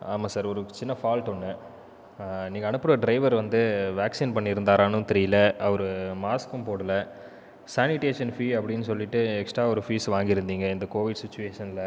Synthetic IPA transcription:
aːmaːsaːɾɔɾɯt͡ʃɪnːɐfaːlʈɔnːɯ | niːŋɡɐːɳɯpːɯɾɐɖɾɐɪʋɐɾʋɐnd̪ɯʋaːksinpɐɳːɪɾɯnd̪aːɾaːnɯ̃t̪ɛɾɪjɪlɐɐʋɐɾɯmaːskɯmpoːɽɯlɐ | saːnɪʈeːʂɐnfiːɐpːɐɽɪnːɯsɔlːɪʈːɯɛksʈɾaːɔɾɯfiːsʋaːŋɡɪɾɯnd̪iːŋɡɐɪnd̪ɐkoːʋɪɖsɪt͡ʃːʊʋeːʂɐnɪlɐ

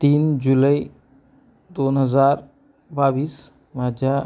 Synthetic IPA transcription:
t̪ind͡ʒuləj | d̪onɦəzaɾ | babis | mad͡ʒa

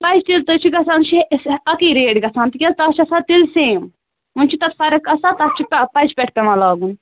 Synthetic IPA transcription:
pɐt͡ʃʰt̪ilt̪ɨt͡ʃʰiɡɐsant͡ʃʰisɐkiɾeːɖɡɐsãːnt̪ikʲɐzt̪ɐt͡ʃʰɐsat̪ilsẽːm | unt͡ʃʰit̪ɐt̪fɐɾɐkɐsat̪ɐst͡ʃʰippɐt͡ʃpɛʈʰp̪emɐ̃laːɡun

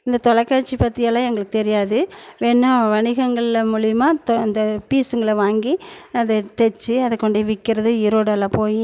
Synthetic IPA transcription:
ɪnd̪ɐt̪ɔɭɐkːaːʈ̚t͡ʃːipɐt̪ːɪjɐlːãːɛŋɡɐɭɯkːɯ̥t̪ɛɾɪjaːðɯʋɛnːɐ̃ʋɐɳɪɣɐŋɡɐɭɪlɐmuːɭɪjɐmaːt̪ɔɐnd̪ɐpiːsɯŋɡɐɭɐʋaːŋɡiɐðɯt̪ɛt͡ʃːɯɐðɯkːɔɳɖeʋɪkːɪɾɐðɯɪɾoːɽɐlːãːpoːji

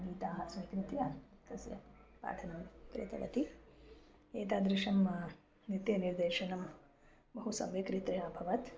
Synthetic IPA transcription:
ɡiːt̪aːɦɐsmikɾit̪jɐt̪ɐsjɐ̰pa̰ːʈʰɐnɐmkɾḛːt̪ɐ̰ʋɐ̰t̪i | eːt̪aːd̪ɾɪʃɐm | nit̪jɐniɾd̪eːʃɐnɐm | bɐɦusɐ̰mʋikɾit̪ɾɐjaːbʱɐʋɐt̪

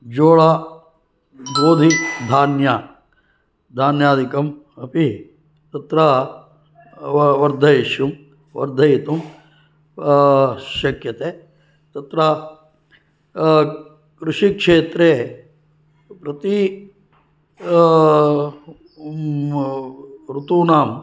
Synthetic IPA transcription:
d͡ʒoːɭaː | boːd̪ʱid̪ʱaːnjaː | d̪ʱaːnjaːd̪ʱikɐm | ɐpi | t̪ɐt̪ɾɐ | ʋɐɾd̪ʱɐjeʃjum | ʋɐ̰ɾd̪ʱɐjit̪um | ʃɐkjɐt̪eː | t̪ɐt̪ɾɐ | kɾuʂikʂeːt̪ɾeː | pɾɐt̪i | ɾut̪uːnaːm

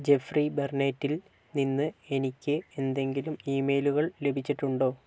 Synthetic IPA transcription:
d͡ʑe̞friberneːtːil | ninːɨe̞nikʲːɨe̞nd̪e̞ŋɡilumiːme̞ːluɣɐɭlebʱit͡ɕːiʈːuɳɖo̞ː

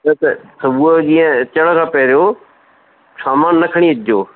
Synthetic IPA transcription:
t̪ɐt̪ɐsɐbud͡ʑiːə̃t͡ɕɐɽkʰãːpɐɾijo | saːmaːnːɐkʰəɽ̃iɪd͡ʑjoː

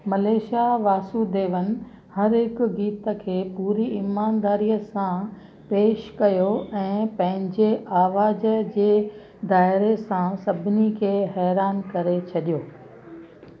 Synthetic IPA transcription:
mɐleːʃaʋaːsud̪eːʋənɪ̆ | hɐɾɦɪkʊɡiːt̪əkʰeːpuːɾiɪmaːnd̪aːɾijəsã | peːʃkɐjoɛ̃ːpɐ̃ɦɪ̃ɲd͡ʑeʔaːʋaːd͡ʑəd͡ʑeː | d̪aːɪɾesãsɐbʱɪnikʰeːɦɛːɾaːnkɐɾet͡ɕʰɐɗijoː

